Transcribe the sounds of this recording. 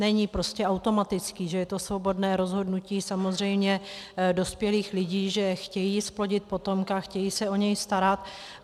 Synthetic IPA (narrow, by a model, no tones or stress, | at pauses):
ɛɲɪpɾo̞scɛawt̪o̞mat̪ɪt͡skiːʒɛjɛt̪o̞svo̞bo̞dnɛːɾo̞zɦo̞dnuciːsamo̞zr̝ɛjmɲɛdo̞spjɛliːxlɪɟiːʒɛxcɛjiːsplo̞ɟɪt̪̚po̞t̪o̞mkaxcɛjiːsɛo̞ɲɛjst̪aɾat̪